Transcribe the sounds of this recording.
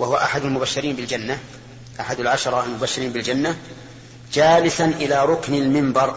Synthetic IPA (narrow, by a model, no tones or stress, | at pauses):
wahʊwaʔaħad̪almʊbaʃːɪɾiːnbɪld͡ʒanːa | ʔaħad̪alʕaʃɑɾˤɑalmʊbaʃːɪɾiːnbɪld͡ʒanːa | d͡ʒaːlɪsanʔɪlaːɾˤʊknalmɪmbɑɾˤ